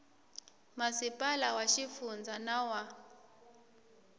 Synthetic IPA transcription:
masipʼalawaʃifund͡zanawa

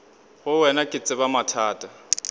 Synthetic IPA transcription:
ɣʊwɛnakʼɪt͡sʼɪbamatʰaːtʼa

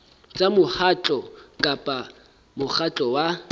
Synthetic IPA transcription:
t͡sʼamʊhat͡ɬʼɔkʼapʼa | mʊχat͡ɬʼɔwa

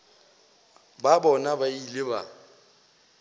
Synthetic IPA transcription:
babɔnabailɪba̰

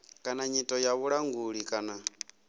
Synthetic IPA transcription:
kʼanaɲitʼɔjaβuɺaŋɡuɺikʼana

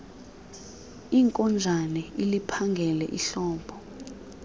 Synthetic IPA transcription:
iːŋkʼɔnd͡zʱanɛilipʰaŋɡʱɛlɛ̰ʔiɬɔːpʰɔ

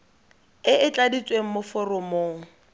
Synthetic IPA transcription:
ɪʔɪt͡ɬʼadit͡sʼweŋ̩mʊfɔrɔmoːŋ̩

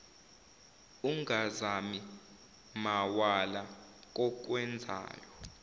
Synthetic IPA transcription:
uŋazami | mawalak̬ʼɔk̬wɛnd͡zʱa̰ːjɔ

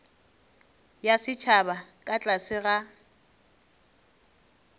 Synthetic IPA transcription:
jasɪt͡ʃʰabakʼat͡ɬʼasɪɣa

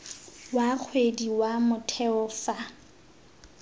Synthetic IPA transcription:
wak͡xʰwediwamʊtʰɛʊfa

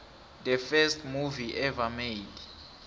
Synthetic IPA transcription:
d̪əfɛstʰmuviʔɛvamed̥

